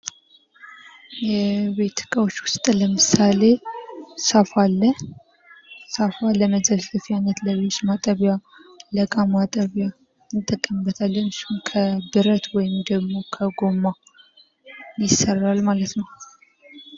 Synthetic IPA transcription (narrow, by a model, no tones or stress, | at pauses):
jɛβet̪ʰːɨ̥kʼawot͡ʃːwʊst̪ʼləmɨsale̞safalːə | safaləməzəlzəfjanət̪ləβet͡ʃːmat̪ʼəβjaləkʼamat̪ʼəβja | ɨt̪ʼːəkʼːəmɨbːət̪ʰalːənɨʃhunkʰəbɨɾət̪wɔjɪmd̪əɡmo̞kʰəɡo̞ma | jɪsərːalmalət̪nəw